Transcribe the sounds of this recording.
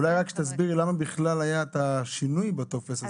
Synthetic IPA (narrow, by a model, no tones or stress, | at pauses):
lajʁakʃet̪azbiʁlamabiχlalajaet̪aʃinujbat̪ofese